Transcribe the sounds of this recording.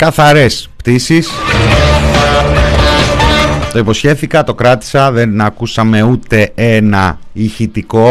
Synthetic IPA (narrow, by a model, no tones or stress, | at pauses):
kɐθɐɾe̞spt̪isis | t̪o̞ipo̞sçe̞θikɐt̪o̞kɾɐt̪i̥sɐðe̞nɐkusɐme̞ut̪e̞e̞nɐ̰ | içit̪iko̞